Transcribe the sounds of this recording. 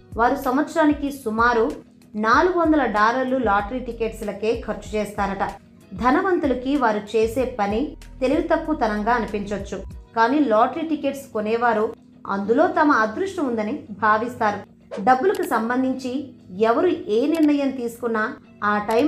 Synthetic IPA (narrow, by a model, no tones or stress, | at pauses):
ʋaːɾusɐmʋɐt̪sɾaːnikisumaːɾu | naːluɡɐʋɐnd̪ɐlɐɖaːɾɐɾlulaːʈɾiʈike̞ːʈslɐke̞ːkʰɐɾt͡ʃu̥t͡ʃɛːst̪aːɾɐʈɐ | d̪ʱɐnɐʋɐnt̪ulɐkiʋaːɾut͡ʃeːseːpɐnit̪e̞liɡut̪ɐkːut̪ɐnɐŋɡaːɐnipiɲt͡ʃot͡ʃːukaːniːlaːʈɾiʈike̞ːʈskonɛːʋaːɾu | ɐ̰nd̪ulo̞ːt̪ɐmɐːd̪ɾuʂʈɐmund̪ɐnibʱaːʋist̪aːɾu | ɖɐbːulɐkusɐmbɐnd̪ʱiɲt͡ʃiɛʋɐɾueːniɾɳɐjɐmt̪iːsu̥kunːɐ | aːʈɐj